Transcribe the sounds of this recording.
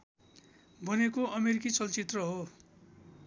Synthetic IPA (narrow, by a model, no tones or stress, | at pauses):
bʱʌnekoʌmeɾikit͡sʌlt͡sit̪rʌɦo